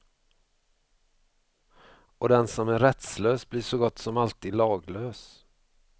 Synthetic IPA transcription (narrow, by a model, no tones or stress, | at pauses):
ɔd̪ɛnsɔmæɾɛt̪sløːsbliːʂɔɡɔt̪ːsɔmalt̪iːd̪lɑːɡløːs